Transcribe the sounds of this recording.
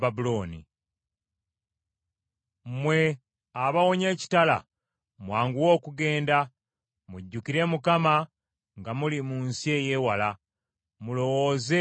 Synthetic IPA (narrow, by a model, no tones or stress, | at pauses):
babuloːnḭ | mwe̞ | aβawo̞ɲe̞ːci̥tala̰ | mwaːŋɡuwo̞ːkuɡe̞ːnda | muɟːukiɾe̞mukama | ŋɡamulimuːnsie̞ːje̞ːwala | mulo̞wo̞ze